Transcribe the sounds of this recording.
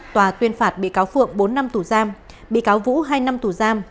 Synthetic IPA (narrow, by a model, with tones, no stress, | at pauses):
t̪waː˨˩t̪wi˧ənfaː˧˩t̚ɓḭ˧˨kaː˨˦wfɨ̰˧˨əŋɓo˨˦nːa˧mt̪u˧˩zaː˧m | ɓḭ˧˨kaː˨˦wvṵ˧˥ɦaː˧jna˧mt̪u˧˩zaː˧m